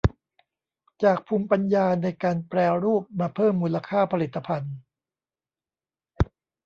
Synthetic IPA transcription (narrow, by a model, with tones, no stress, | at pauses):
t͡ɕaː˨˩k̚pʰuː˧mpa˧njaː˧na˧jkaː˧npɾɛː˧ɾuː˥˩p̚maː˧pʰɤː˥˩mːuː˧la˧kʰaː˥˩pʰa˧li˨˩t̪ʰːa˧pʰa˧n